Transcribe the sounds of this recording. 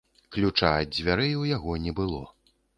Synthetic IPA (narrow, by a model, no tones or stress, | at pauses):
klʲut͡ʂad͡zʲvʲaɾɛjwjaɣɔnʲɛbɨlˠɔ̰